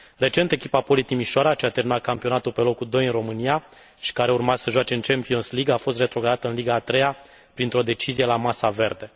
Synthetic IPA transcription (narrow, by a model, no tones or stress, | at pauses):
re̞t͡ʃe̞nt̪e̞kʲipapo̞lit̪imiʃoaɾat͡ʃeat̪eɾminat̪̚kampio̞nat̪ulpe̞lo̞kud̪o̞jɨnro̞mɨnija | ʃi̥kaɾe̞urmasəʒwat͡ʃe̞ɨnt͡ʃempio̞nsliɡafo̞s̬t̪re̞t̪ɾo̞ɡɾanat̪əɨnliɡaːt̪ɾe̞ja | pɾint̪ɾo̞d̪e̞t͡ʃizije̞lamasave̞rd̪e̞